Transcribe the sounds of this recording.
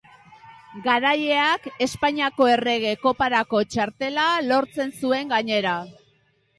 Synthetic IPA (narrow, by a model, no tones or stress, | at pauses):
ɡaɾaje̞ake̞spaɲiako̞e̞re̞ɣ̞e̞ko̞paɾako̞t͡ʃaɾt̪e̞lalo̞ɾt͡se̞nsue̞ŋɡaɲe̞ɾa